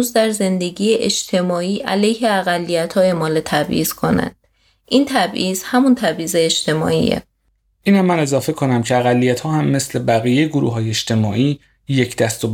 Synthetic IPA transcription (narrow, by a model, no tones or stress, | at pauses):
uzd̪æɾze̞nd̪e̞ɟiːjeʔed͡ʒt̪ʰe̞mɒːiːʔælejheæɣælːijæt̪ʰhɒːje̞mɒːlet̪ʰæbʔḭːz̥kʰo̞næ̰nd̪̥ | ʔiːnt̪ʰæbʔiːz̥hæmunt̪ʰæbʔiːzeːʃt̪ʰe̞mɒ̰ːḭːḛ | iːnhæmːæne̞zɒːfe̞kʰo̞næmcʰeæɣælːijæt̪hɒːhæmːe̞sle̞bæɣiːjejeɡoɾṵːɦɒːjeeʃt̪e̞mɒːʔiː | jecʰd̪æst̪ob